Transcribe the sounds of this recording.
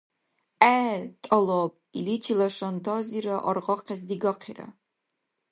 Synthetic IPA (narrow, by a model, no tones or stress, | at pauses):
æːtʼɐlop̚ʼilit͡ʃʰilɐʂɐntʰɑːziɾɐʔɐrʁɐqʰʲɛzdiɡɐqʰḭrɐ̰